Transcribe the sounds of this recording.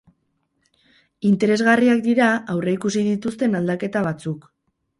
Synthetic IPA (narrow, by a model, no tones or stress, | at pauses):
int̪e̞ɾe̞zɣariakd̪iɾaawre̞ikusið̞it̪ust̪e̞nald̪ake̞t̪aβat͡suk